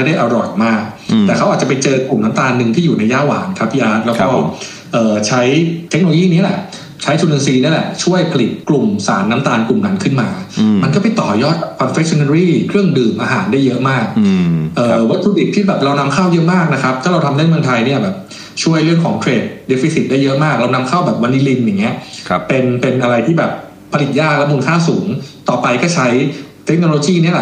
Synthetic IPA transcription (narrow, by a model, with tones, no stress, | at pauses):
a˥˩da˥˩jʔa˧ɾɔ˨˩jmaː˥˩k̚t̪ɛː˨˩kʰa˦˥wʔa˨˩t͡ɕa˨˩pa˧jt͡ɕɤː˧klu˨˩mna˦˥mt̪aː˧nːɯ˨˧ŋt̪ʰiː˥˩juː˨˩na˧jːaː˥˩wa̰ː˩˦nkʰa˦˥p̚ʔiː˧ʔaː˦˥t̪̚lɛː˦˥wkɔː˥˩ | ʔɤː˨˩t͡ɕʰa˦˥jt̪ʰe˦˥k̚no˧lo˧iː˥˩ni˦˥˨lɛ̰˨˩ | t͡ɕʰa˦˥jt͡ɕʰu˧nɯ˧siː˧ni˥˩˨lɛ˨˩t͡ɕʰu˥˩əjpʰa˧li˨˩t̪̚klu˨˩msa̰ː˩˦nːa˦˥mt̪aː˧nklu˨˩mna˦˥nkʰɯ˥˩nmaː˧ma˧nkɔː˥˩pa˨˩jt̪ɔː˨˩jɔː˥˩t̪̚kʰɔ˧nfe˦˥k̚t͡ɕʰɔ˧na˧ɾiː˥˩kʰɾɯ˥˩əŋdɯː˨˩mʔaː˧ɦaː˩˦ndaː˥˩jɤ˦˥ʔmaː˥˩k̚ʔɤː˨˩wa˦˥t̪ʰɾuː˧di˨˩t̪̚t̪ʰːiː˥˩bɛː˨˩p̚ɾa˧wna˧mkʰaː˥˩wjɤ˦˥ʔmaː˥˩k̚na˦˥kʰɾa˦˥p̚t̪ʰaː˥˩ɾa˧wt̪ʰa˧mna˥˩nmɯ˧nt̪ʰa˧jni˥˩ɐbɛː˨˩p̚ | t͡ɕʰu˥˩əjɾɯ˥˩əŋkʰɔː˩˦ŋt̪ʰɾeː˧t̚de˦˥fʰi˧˩si˨˩daː˥˩jɤ˦˥ʔmaː˥˩k̚ɾa˧wna˧mkʰaː˥˩wbɛː˨˩p̚wa˦˥nːi˦˥li˧nja˨˩ŋːi˦˥ɐpe˧npe˧nʔa˧ɾa˧jt̪ʰiː˥˩bɛː˨˩p̚ʰː | a˧li˨˩jaː˥˩k̚lɛ˦˥muː˧nkʰaː˥˩wsuː˩˦ŋt̪ɔː˨˩pa˧jkɔː˥˩t͡ɕʰa˦˥jt̪ʰe˦˥k̚no˧loː˧jiː˥˩ni˦˥ɐlɛ˨˩